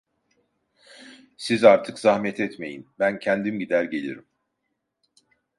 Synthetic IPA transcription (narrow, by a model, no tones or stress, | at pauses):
sizaɾt̪ʰɯkzahmɛt̪ʰɛt̪me̞̰jinbæncʰænd̪imɟid̪æɾɟe̞lʲḭɾim